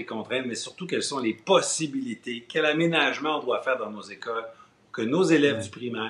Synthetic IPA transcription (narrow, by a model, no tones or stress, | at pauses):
ekɔ̃t̪ʁɛ̃t̪mɛsyʁt̪uk̬ʲɛlsɔ̃lepɔsibilit̪ekʲɛlamenaʒmɑ̃ɔ̃d̪wafɛːʁd̪aɑ̃nozekɔl | ukənozelɛvd̪ypʁimɛ